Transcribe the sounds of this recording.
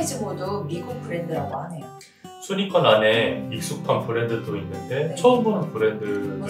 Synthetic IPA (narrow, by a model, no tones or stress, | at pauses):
ed͡ʑimodomiɡuk̚pʰɯɾendɯɾaɡoɦane̞jo | sʰuɲik͈ʰʌnane̞ik̚s͈ukʰanpʰɯɾe̞ndɯdoinːɯnde̞t͡ɕʰʌɯmbunɯnpʰɯɾe̞ndɯ